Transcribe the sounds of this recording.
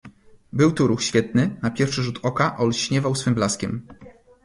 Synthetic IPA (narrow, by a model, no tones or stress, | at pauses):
bɘwt̪uɾuxɕfʲjɛt̪nɘnapʲjɛɾfʂɘʐut̪ʰɔkaʔɔlɕɲɛvawsfɘmblaskʲɛm